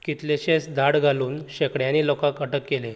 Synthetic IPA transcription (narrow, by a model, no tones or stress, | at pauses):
kit̪leɕẽsd̪ʱaɽɡʱaluːnɕekɽjãnilɔkãkəʈəkːele